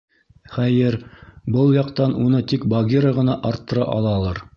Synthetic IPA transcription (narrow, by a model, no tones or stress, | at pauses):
χæjɘɾbɤlˠjɑqt̪ɑnunɤt̪ikbɐɡʲiɾəʁɤ̆nɑʔɑɾt̪ːɤ̆ɾɑʔɑ̰lˠɑlˠɤɾ